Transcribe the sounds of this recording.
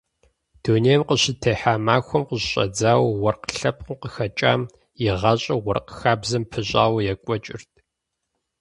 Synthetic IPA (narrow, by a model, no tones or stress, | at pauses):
d̥unejmqəɕɪtʰeːħaːmaːxʷɔmqəʑɕʼɐ̰d͡zaːwwɔrqəɬɐp̚ʰʼqqəxɐt͡ʃʼa̰ːm | jɪʁɐɕʼɐwɔrqəxaːbzɐmpʰɨɕʼa̰ːwjɛkʷʼɔt͡ʃʼɪ̰rtʰʼ